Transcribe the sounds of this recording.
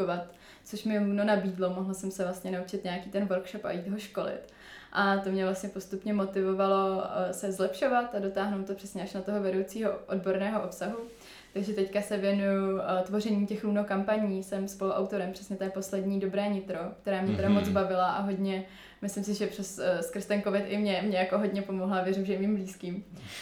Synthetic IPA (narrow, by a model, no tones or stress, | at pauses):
ovat̪ | t͡soʃmɪluno̞nabiːdlo̞mo̞ɦlsɛmsɛvlast̪ɲɛnaut͡ʃɪt̪ɲaakiːt̪ɛnvoɾkʃopa̰jiːt̪ɦoʃko̞lɪ̰t̪ | ʔat̪o̞mɲɛvlastɲɛpo̞st̪upɲɛmo̞t̪ɪvo̞valo̞sɛzlɛpʃo̞vat̪ado̞t̪aːɦnowt̪ːopr̥ɛsɲɛaʃnat̪o̞ɦovɛdowt͡siːɦoʔodbo̞ɾnɛːɦoʔopsaɦu | t̪aɡʒɛt̪ɛckasɛvjɛnujut̪vo̞rɛɲiːmcɛxluːnokampaɲiːsɛmspoluʔa̰wt̪o̞ɾɛmpr̥ɛsɲɛt̪ɛːpo̞slɛdɲiːdo̞bɾɛːɲɪt̪ɾo̞k̚t̪ɛɾaːmɲɛt̪ɛdamot͡sbavɪlaʔaɦo̞dɲɛ | mɪslɪmsɪʒɛprɛsskrst̪ɛnkovɪt̪ʔɪmɲɛmɲɛjakoɦo̞dɲɛpo̞moɦlavjɛɾɪmʒɛmiːmbliːskiːm